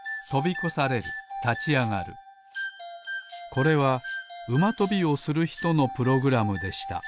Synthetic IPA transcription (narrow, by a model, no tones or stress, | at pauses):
t̪o̞bʲiko̞saɾe̞ɾɯ̟̰t̪at͡ɕiaŋaɾɯ̟̰ | ko̞ɾe̞βaɯ̟mat̪o̞bʲio̞sɨɾɯ̟çi̥t̪o̞no̞pɯ̟ɾo̞ɡɯ̟ɾamɯ̟d̪e̞ɕi̥t̪a̰